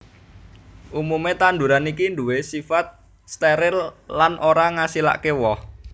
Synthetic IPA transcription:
ʔumumet̪and̪uɾanikind̪uwesifat̪̚ | st̪ɛɾɪllanʔoɾaŋasila̰ʔkewɔh

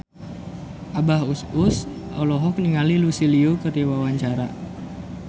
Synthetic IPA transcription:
ʔabaɦusʊsʔa̰wlɔɦɔk̚niŋalilusiliukəriwawaɲt͡ʃaɾa

